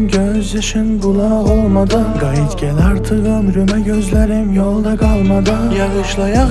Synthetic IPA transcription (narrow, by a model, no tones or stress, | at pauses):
mɡʲøzɪʃɪnbʊlˠɑolˠmɑd̪ɯɡɑjɪt̪ɡʲælæɾt̪ʰɯʁɯmɾømæɡʲøzlæɾɪmjolˠd̪ɑɡʰɑlˠmɑd̪ɯjɑʁɯʃlˠɑjɑ